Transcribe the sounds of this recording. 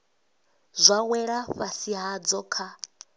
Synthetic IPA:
zʷawɛɺaɸasiɦad͡zɔkʰa

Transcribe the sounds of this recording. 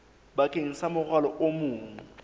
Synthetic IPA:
bakʼeŋ̩samʊχʰwalɔʔomʊːŋ̩

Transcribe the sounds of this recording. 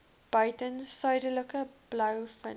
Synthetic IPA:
b̥ɐjtənsœjdələkəblɐwfə̰

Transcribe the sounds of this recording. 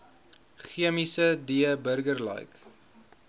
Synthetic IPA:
χiəmisədiəbərɡərlə̰jk

